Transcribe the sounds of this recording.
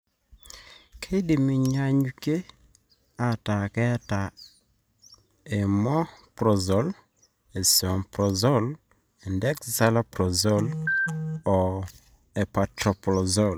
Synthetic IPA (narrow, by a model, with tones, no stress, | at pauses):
kʰe˦di˨mi˨ɲa˨ɲuke˦ | a˨ta˨kɛ˦ta˨ | e˨mɔ˦pɾɔ˨zɔ˨l | e˨sɔ˨mpɾɔ˨zɔ˦l | e˨ndɛ˦kza˦la˦pɾɔ˨zɔ˦l | ɔ˨ | e˨pa˨tɾɔ˨pɾɔ˨zɔ˦l